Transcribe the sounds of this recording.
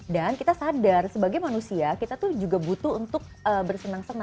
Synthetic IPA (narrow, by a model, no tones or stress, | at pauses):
dankit̪asadarsəbaɡajmanusiakit̪at̪uhd͡ʒuɡabut̪uːnt̪ʊk̚əːbərsənaŋsəna